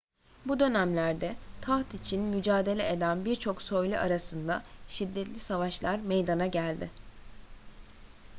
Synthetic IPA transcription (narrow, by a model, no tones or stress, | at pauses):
bud̪ø̞næmlʲæɾd̪ɛt̪ʰaxt̪it͡ʃʰinmyd͡ʒaːd̪e̞lʲɛʔed̪ænbiɾt͡ʃʰo̞ksø̞jlʲyʔaɾasɯnd̪aʃid̪ːɛt̪lʲisavaʃlˠaɾmejd̪anaɟælʲd̪ɪ